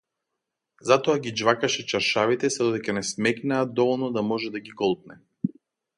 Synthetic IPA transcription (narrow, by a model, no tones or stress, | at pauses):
zat̪ɔaɡid͡ʒvakaʃɛt͡ʃaɾʃavit̪ɛsɛd̪od̪ɛkanɛsmɛknaːd̪ɔvɔlˠnɔd̪amɔʒɛd̪aɡiɡɔlˠp̪̚nɛ